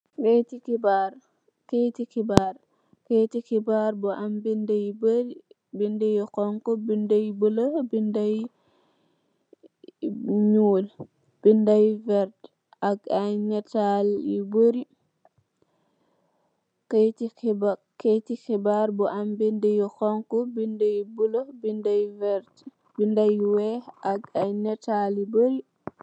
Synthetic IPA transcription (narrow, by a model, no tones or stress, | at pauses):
ketikibaɾ | ketikibaɾ | ketikibaɾbɔʔambindɛjboɾi | bindɛjɔkɔŋkɔbindajbɔlabindaj | ɲul | b̥indajvɛɾd | aɡajnɛtaliboɾi | ketiba | ketixibaɾbɔʔambindejixɔŋkɔbindejbulobindajvɛɾt | bindajwɛaɡajnɛtaliboɾi